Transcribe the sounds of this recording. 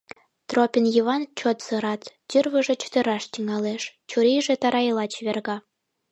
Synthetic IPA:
t̪ropʲinjiβɑnt͡ɕot̪sɤ̆ɾɑt̪t͡ɕərβə̆ʒĕt͡ɕu̥t̪ə̆ɾɑʃt̪ʲiŋɑleʃt͡ɕuɾiʒĕt̪ɑɾɑjlˠɑt͡ɕβʲerɣɑ

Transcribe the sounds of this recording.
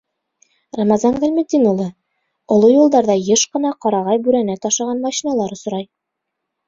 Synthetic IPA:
ramɑzɑnɡælʲmɘt̪ʲinulˠɤ | ŏlˠojulˠd̪ɑɾðɑjɤʃqɤ̆nɑqɑɾɑʁɑjbʉɾænæt̪ɑʃɑʁɑnmɑɕinɑlˠɑɾŏs̆ɾɑj

